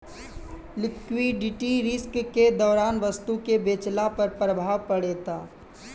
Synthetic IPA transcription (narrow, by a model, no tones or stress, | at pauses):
lɪkwiɖɪʈiɾɪskked̪ɔːɾaːnʋəst̪ukebeːt͡ʃlapɐɾpɾəbʱaːʋpəɽeːt̪aː